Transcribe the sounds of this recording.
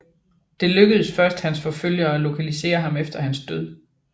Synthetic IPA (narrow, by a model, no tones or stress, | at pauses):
d̥e̝løɡ̥əð̞̩ˠsfɶɐsd̥hænsfɒ̽føl̰jɐælo̝kʰælise̝̰ːɐɦɑ̈mefd̥ɐhænsd̥øð̞̰ˠ